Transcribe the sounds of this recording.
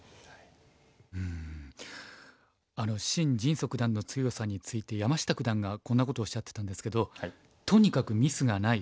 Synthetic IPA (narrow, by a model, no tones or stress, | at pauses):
ɯ̃ | ano̞ɕĩɲ̟d͡ʑĩɰ̃so̞kɯ̟d̪ãnːo̞t͡sɨjo̞saɲ̟it͡sɨit̪e̞jamaɕi̥t̪akɯ̟d̪ãŋɡakõ̞nːako̞t̪o̞ːɕːat̪ːet̪ãnd̪e̞sɨ̥ke̞d̪o̞ | t̪o̞ɲ̟ikakɯ̟mʲisɨɡanai